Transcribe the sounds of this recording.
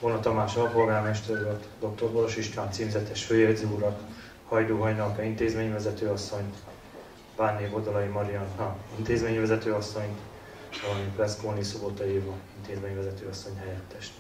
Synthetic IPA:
vonɒt̪ɒmaːt͡ʃolɒpo̞lɡaːrmɛʃt̪ɛɾløt̪d̪o̞k̚t̪o̞rboɾoʃiʃkaːnt̪siːmzɛt̪ɛʃføːjeziuɾɒt̪ | hɒjd̪oːɦɒjnɒlkɒint̪eːzmeːɲvɛzɛt̪øːɒsːo̞ɲ | banːeːvod̪ɒlɒjimɒɾiɒnɦɒint̪eːzmeːɲvɛzɛt̪øːɒsːo̞ɲt̪ | ɒlɒmiprɛskoːnisobot̪ojiːvɒint̪eːzmeːɲvɛzɛt̪øːɒsːo̞ɲɦɛjɛt̪ːɛʃt̪

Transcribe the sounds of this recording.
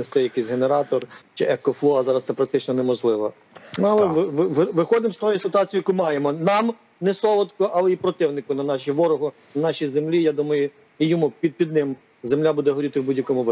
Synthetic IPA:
est̪ɪjɐkɪsʲɦeneɾɑt̪ɔrt͡ʃɪʔɛkɔflˠɔɐzɑɾɐssɛpɾɐk̚t̪ɪt͡ʃnɔnɛmɔʒlˠɪʋɐ | nʊɐlˠɛʋɪʋɪʋʋɪxɔd̪ɪmst̪ɔjʊsɪt̪ʊɑt͡sʲijɐkumɑjemɔnɑm | nɛsɔʋˠɔt̪kɔʔɑlˠɛipɾɔt̪ɪwnɪkʊnɐnɑʃiʋɔɾʊɦʊ | nɐnɑʃʲijzemlʲijad̪umɐjʊ | ijɔmupʲid̪̚pʲid̪̚nɪm | zemlʲabud̪ɛɦɔɾʲit̪ɪwbudʲjɐkɔmʊb

